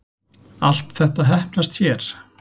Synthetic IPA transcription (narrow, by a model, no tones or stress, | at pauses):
al̥t̪θɛht̪aɦɛhplast̪çɛɾ̥